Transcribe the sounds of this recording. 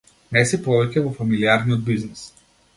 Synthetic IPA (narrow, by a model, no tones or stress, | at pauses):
nɛsipɔvɛcʲɛvɔfamiliaɾnijɔd̪̚biznis